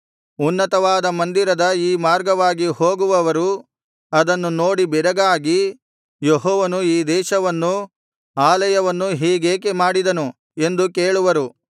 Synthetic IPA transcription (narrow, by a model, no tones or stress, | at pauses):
unːɐt̪ɐʋaːd̪ɐmɐnd̪iɾɐd̪ɐiːmaːɾɡɐʋaːɡihoːɡuʋɐʋɐɾu | ɐd̪ɐnːuno̞ːɽibɛɾɐɡaːɡi | jeɦɔːʋɐnuiːd̪ɛːʃɐʋɐnːu | aːlɐjɐʋɐnːuɦiːɡeːk̬emaːɽid̪ɐnu | e̞nd̪ukeːɭuʋɐɾu